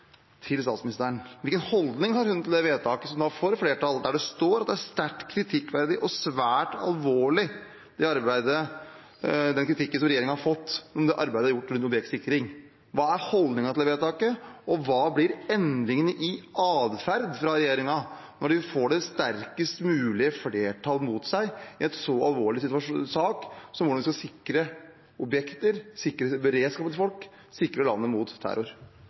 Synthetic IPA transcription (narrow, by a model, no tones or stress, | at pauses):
t̪ʰɪlst̪ɑːt̪smɪnɪst̪əəɳʋɪlkənhɔld̪nɪŋhɑɾhʉnt̪ʰɪld̪ɛʋeːt̪ʰɑːkəsɔmd̪ɑfɔɾfleːʈʰɑld̪æɖɛst̪oːɾɑt̪d̪ɛæst̪æʈkʰɾɪt̪ʰɪkːʋæɾd̪ɪʔɔsʋæːʈɑ̰lʋoːɭɪ | d̪̥ɛɑɾbæɪd̪ə | d̪ɛnkʰɾɪt̪ʰɪkːənsɔmɾɛjeːɾɪŋənhɑɾfɔt̪ːɔmd̪ɛʔɑɾbæɪd̪əhɑɾjʊʈːɾʉnt̪ɔbɛksɪkːɾɪŋ | ʋɑːæɾhɔld̪nɪŋɑt̪ɪlɛʋeːt̪ʰɑːkəɔʋɑːblɪɾɛnd̪ɾɪŋənəʔɪɑːd̪fæɾd̪fɾɑɾɛjeːɾɪŋɑ | nɔɖɪfoːɖɛst̪æɾkəst̪mʉːlɪəfleːʈʰɑlmut̪sæɪɪɛt̪sɔɑlʋoːɭɪsɪt̪ʉʋɑʂsɑːksɔmʋʊɖɑnʋɪskɑsɪkɾə | ɔbjɛkt̪əɾsɪkːɾəbəɾeːd̪skɑːpət̪ʰɪlfɔlk | sɪkːɾəlɑ̰nːəmʊt̪ʰːæ̰ɾʊɾ